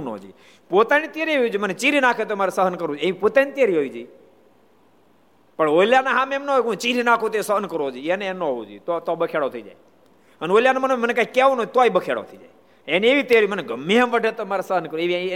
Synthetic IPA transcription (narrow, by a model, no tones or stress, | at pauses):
no̰d͡ʒḭ | pot̪anit̪jeɾiɦoid͡ʒimənet͡ʃiɾinakʰet̪oemaɾesəɦənkəɾũd͡ʒeʋipot̪anit̪jeɾiɦoid͡ʒiː | pəɳoiljanaɦãmemnəɦojkũt͡ʃiɾinakʰõt̪oesəɦənkəɾod͡ʒienenoɦoud͡ʒḭt̪ot̪obəkʰeɽot̪ʰəid͡ʒa̰j | ənoljanemənoemənekaikːeʋõnot̪aibəkʰeɽo̰t̪ʰəid͡ʒa̰j | enieʋit̪eɾiməneɡʱəmːeɦə̃mʋəɖʱet̪omaɾesəɦənkəɾeʋi